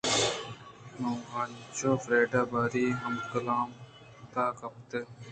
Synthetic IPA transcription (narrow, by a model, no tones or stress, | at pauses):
noŋɡaːnt͡ɕoːfɾeːɖaːbaːɾiːɦɐmkɐlaːm | t̪aːkɐp̚t̪e